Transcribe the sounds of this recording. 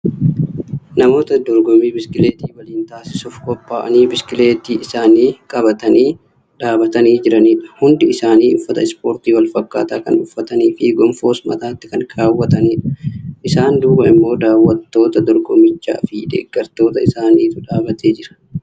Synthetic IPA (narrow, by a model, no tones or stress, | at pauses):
nɐmo̞ːt̪ɐd̪ɔɾɡɔmiːbɪskɪle̞ːt̪iːwɐliːnt̪aːsɪsʊfkɔpːaːʔɐniːbɪskɪle̞ːt̪iːʔɪsaːniːkʼɐbɐt̪ɐniː | ᶑaːbɐt̪ɐniːd͡ʒɪɾɐniːᶑɐhʊnd̪ɪɪsaːniːʊfːɐt̪ɐ̰ɪspo̞ːɾt̪iːwɐlfɐkːa̰ːt̪aːkɐnʊfːɐt̪ɐniːfɪɡɔmfo̞ːsmɐ̰t̪aːt̪ːɪ̥kɐŋkʰaːwːɐt̪ɐniːᶑɐʔɪsaːnd̪uːkɐɪmːo̞ːd̪aːwːɐt̪ːo̞ːt̪ɐd̪ɔɾɡɔmɪt͡ʃːa̰ːfɪd̪ḛːɡːɐɾt̪o̞ːt̪ɐɪsaːniːt̪ʊᶑaːbɐt̪eːd͡ʒɪɾɐ̥